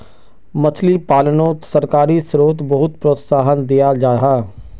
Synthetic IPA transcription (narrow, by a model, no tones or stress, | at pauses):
mət͡ʃʰlipaːlənõːsəɾkaːɾisɾoːt̪bəɦʊt̪̚pɾoːt̪saːɦənd̪ijad͡ʒaːɾəɦaː